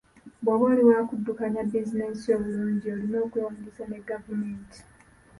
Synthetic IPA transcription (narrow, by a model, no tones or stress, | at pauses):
bwaβeːliwaːkudːukaɲabːizineso̞ːβuluːɲɟio̞lino̞ːkujoːmulisane̞ɡavume̞ːnti̥